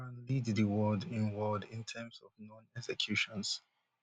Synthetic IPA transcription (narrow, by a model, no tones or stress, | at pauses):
ãnlidðəwɜdɪ̃nwɜdɪ̃ntʰɛmsɔvnɔ̃nɛksɛkʰj̥uʃɔ̃ns